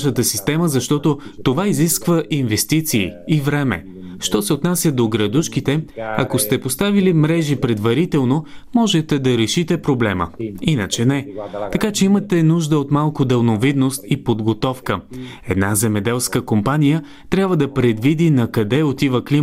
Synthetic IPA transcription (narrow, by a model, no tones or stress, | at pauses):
ʃət̪əsist̪ɛməzɐʃt̪ɔt̪ot̪ovaiziskvəʔinvɛst̪it̪siːivɾɛmɛ̰ | ʃt̪ɔsɛot̪nasʲjəd̪oɡɾɐd̪uʃkit̪ɛɐkost̪ɛpost̪avilimɾɛʒipɾɛd̪vɐɾit̪ɛlˠnomɔʒɛt̪ɛd̪ɐɾɛʃit̪ɛpɾoblɛmə̰inət͡ʃɛnɛt̪ɐkat͡ʃɛimət̪ɛnuʒd̪əot̪malˠkod̪ɛlˠnovid̪nost̪ipod̪ɡot̪ɔfkə | ɛd̪nazɛmɛd̪ɛlˠskəkompanijə | t̪ɾʲjabvəd̪ɐpɾɛd̪vid̪inɐkɐd̪ɛot̪ivəkli